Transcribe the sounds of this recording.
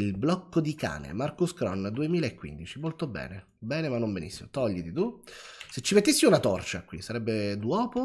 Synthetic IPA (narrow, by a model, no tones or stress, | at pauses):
ilblɔkːod̪ika̰ːnḛmarkuskɾɔ̰nd̪uemiːlaekːwḭnd̪it͡ʃimolt̪obɛ̰ːne | bɛːnemanːombenḭsːimot̪ɔʎːit̪it̪uset͡ʃːimet̪ːisːiunat̪ɔrt͡ʃakwisaɾɛbːed̪wɔːpo